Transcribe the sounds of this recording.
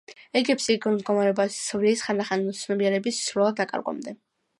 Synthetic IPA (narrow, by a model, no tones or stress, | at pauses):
ɛɡɛpsiɡmd̪ɡɔmaɾɛɔbassɔvɾiːsχand̪aχant̪sʰnɔbiɛɾɛbisːɾulˠad̪ːakʼa̰ɾɡɔ̰md̪ɛ